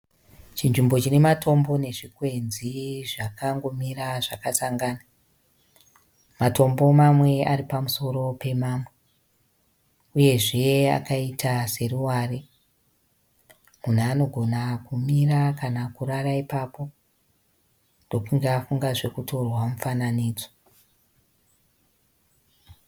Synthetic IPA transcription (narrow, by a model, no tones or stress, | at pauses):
t͡ʃinʐimbo̞t͡ʃine̞matʰo̞mbo̞ne̞ʐikwe̞nziʐakaŋɡo̞miraʐakasaŋɡaːna | mato̞mbo̞mamwe̞aɾipamuso̞ɾo̞pe̞maːmwe | uje̞ʐe̞a̰kaitʰase̞ruwaːre | mun̤uːno̞ɡʱo̞nakumirakanakuraraipapo̞ | ndo̞kuŋɡafuŋɡaʐe̞kuto̞rwamufananiːd͡zo